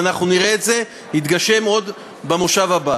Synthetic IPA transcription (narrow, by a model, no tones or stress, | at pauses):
naχnuniʁeːtze̞ | nit̪ɡaʃe̞mo̞d̪ | bemoʃavaba